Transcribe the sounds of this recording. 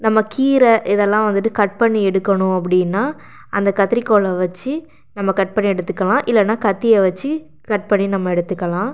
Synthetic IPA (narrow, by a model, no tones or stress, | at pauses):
nɐmːɐkiːɾɐʔɪðɛlːãːʋɐnd̪ɯʈːɯkɐʈ̚pɐɳːiɛɽɯkːɐɳʊ̃ɐp̬ːɐɽɪnːaː | ʔɐnd̪ɐkɐt̪ːɪɾɪkːoːɭɐʋɐt͡ʃːɯ | nɐmːɐkɐʈ̚pɐɳːiɛɽɯt̪ːɯkːɐlãːʔɪlːɐnːaːkɐt̪ːijɐʋɐt͡ʃːɯ | kɐʈ̚pɐɳːinɐmːɐɛɽɯt̪ːɯkːɐlãː